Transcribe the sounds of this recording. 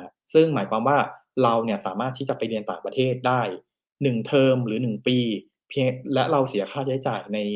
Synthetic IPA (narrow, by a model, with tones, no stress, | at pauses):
sɯ˥˩ŋmaː˩˦jkwaː˧mwaː˥˩ | ɾa˧wni˥˩ɐsaː˩˦maː˥˩t̪ʰiː˥˩t͡ɕa˨˩pa˧jli˧nt̪aː˨˩ŋpɾa˧t̪ʰeː˥˩t̪̚daː˥˩j | nɯ˨˩ŋt̪ʰɤː˧mɾɯː˩˦nɯ˨˩ŋpiː˧ | pʰi˧əŋlɛ˦˥ʔɾa˧wsi˨˩˦ɐkʰaː˥˩t͡ɕʰa˦˥jt͡ɕaː˨˩jna˧j